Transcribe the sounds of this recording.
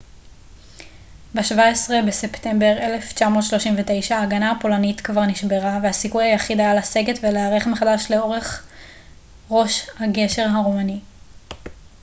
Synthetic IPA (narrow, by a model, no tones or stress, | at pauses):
beʃvaesʁe̞besepte̞mbe̞ʁe̞le̞ft͡ʃamo̞t̪ʃloʃimvete̞jʃaːɡanapo̞lanitkvaʁniʃbe̞ʁavehasikujhajaχid̪ajalase̞ɡetveleaʁeχemeχadaʃle̞o̞ʁe̞χ | ʁo̞ʃhaɡe̞ʃe̞ʁɦaʁomani